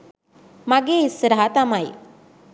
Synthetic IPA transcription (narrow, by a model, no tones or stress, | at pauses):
maɡesɾaɦat̪amaj